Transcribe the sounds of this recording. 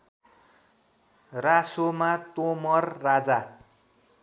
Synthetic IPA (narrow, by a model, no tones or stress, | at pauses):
rasomat̪omʌrːad͡za